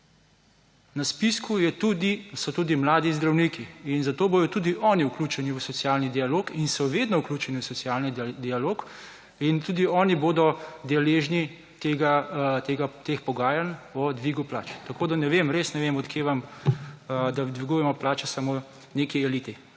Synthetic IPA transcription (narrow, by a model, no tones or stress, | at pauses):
naspiskujɛt̪ud̪isɔt̪uːd̪imlaːd̪izd̪ɾawnikiːnzat̪oːboːj̪ɔt̪ud̪iʔɔːniukluːt͡ʃɛniusɔt̪sijaːlnid̪ialoːkinsɔʋed̪nɔukluːt͡ʃɛnisɔsiaːlnid̪ialoːk | int̪uːd̪iɔːniboːd̪ɔd̪ɛleːʒni | t̪eɡat̪eɡat̪expɔɡaːjanɔd̪ʋiːɡupla̰ːt͡ʃt̪ɐkoːd̪anɛʋemɾeːsnɛʋemɔt̪keːʋam | d̪ad̪ʋiɡujɛmɔplaːt͡ʃɛsamo | nekiɛliːt̪i